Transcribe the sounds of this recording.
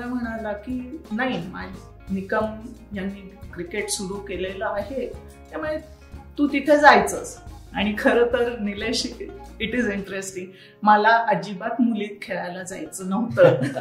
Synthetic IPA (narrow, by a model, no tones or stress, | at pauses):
məlam̤əɽ̃alakiːnaɦimad͡ʑ | nikəmjanːiːkɾikeʈsuɾuːkeleləːɦe | t̪amuɭe | t̪uːt̪it̪ʰed͡zajt͡səsaɽ̃ikʰəɾəːt̪əɾnileɕiiʈid͡ziɳʈɾesʈiŋɡ | məlaʔəd͡ʑibat̪muliːt̪̚kʰeɭajlad͡zajt͡sənəɦt̪əː